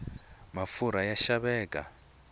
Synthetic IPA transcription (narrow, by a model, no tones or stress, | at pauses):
mafuɾajaʃaβɛːkʼa̰